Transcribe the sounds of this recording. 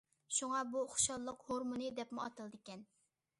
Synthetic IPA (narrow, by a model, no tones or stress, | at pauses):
ʃuŋɑbuχʃɑlˠːəqhoɾmunɨd̪ɛpmɪɑt̪ɨlˠd̪ɪkʲɛn